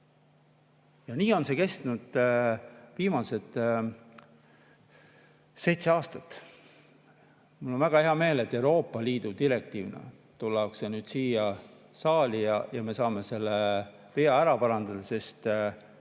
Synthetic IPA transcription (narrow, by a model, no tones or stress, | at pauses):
jɑniːo̞nse̞ke̞st̪nud̪̥ | viːmɑse̞t̪ˑ | se̞jt̪se̞ɑːst̪ɑt̪ːˑ | mulːo̞nvæɡ̥ɑheɑme̞ːle̞t̪ːˑe̞uɾo̞ːpːˑɑliːd̪̥ut̪iɾe̞k̚t̪iːvnɑ̰ | t̪ulːɑksenyːd̪̥siːjɑ | sɑːlijɑjɑme̞sɑːme̞se̞lːe | peɑæɾɑpɑɾɑnd̪ɑd̪̥ɑse̞st̪